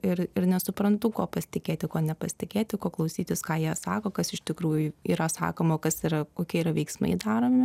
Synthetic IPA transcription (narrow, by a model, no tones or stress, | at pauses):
ɪrɪɾnʲɛsʊpɾɐnt̪ʊkoːpɐsʲɪ̥t̪ʲɪkʲeːt̪ʲɪkoːnʲɛpɐsʲt̪ʲɪkʲeːt̪ʲɪkoːklˠɐʊsʲiːt̪ʲɪskɑːjiɛsɑːkoːkɐsɪʃʲt̪ʲɪkɾuːjʊiːɾɐsɑ̰ːkoːmoːkɐsiːɾɐkoːkʲiɛiːɾɐʋʲɛɪksmɐ̰ɪd̪ɑːɾoːmʲɪ